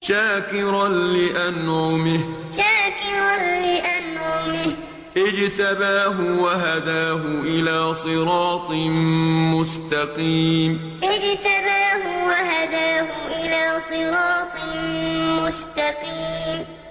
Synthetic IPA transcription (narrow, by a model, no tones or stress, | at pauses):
ʃaːkɪɾanlɪʔanaːmɪhʃaːkɪɾanlɪʔanaːmɪh | ʔɪd͡ʒt̪abaːɦʊwaɦad̪aːɦʊʔɪlaːsˤɨɾɑːt̪ˤ | mʊst̪ɑqiːm | ʔɪd͡ʒt̪abaːɦʊwaɦad̪aːɦʊʔɪlaːsˤɨɾɑːt̪ˤ | mʊst̪ɑqiːm